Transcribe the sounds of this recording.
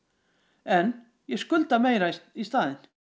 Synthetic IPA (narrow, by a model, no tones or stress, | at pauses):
ɛn | jɛskʏlt̪amejɾaist̪aːðɪn